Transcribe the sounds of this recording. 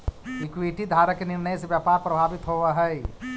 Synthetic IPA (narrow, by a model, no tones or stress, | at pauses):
ɪkwiʈid̪ʱaːɾəkenɪɾnəjseʋjapaːɾpɾɐbʱaːbɪt̪ɦoaɦɛ